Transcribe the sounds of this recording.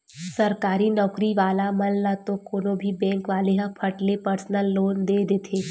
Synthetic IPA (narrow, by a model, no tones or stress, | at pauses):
sɐɾkaːɾinɔːkɾiʋaːlamɐlːat̪okoːnõbʱibɛ̃ːŋkʋaːleɦãpʰɐʈlepəɾsnəlːoːnd̪eːd̪eːt̪ʰeː